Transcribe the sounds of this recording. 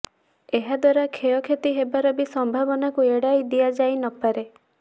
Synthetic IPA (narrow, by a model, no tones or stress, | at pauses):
eɦad̪waɾakʰejɔkʰet̪iɦebaɾɔbisɔmbʱabɔnakueɽajd̪iad͡ʒajnɔpaɾe